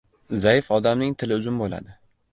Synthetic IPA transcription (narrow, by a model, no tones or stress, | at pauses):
zajɪfɒd̪amnɪŋt̪ʰɪlɪʊzʊnbola̰d̪ɪ